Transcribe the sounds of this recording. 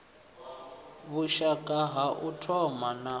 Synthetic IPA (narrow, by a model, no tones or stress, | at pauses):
βuʃakʼaɦaʔutʰɔmana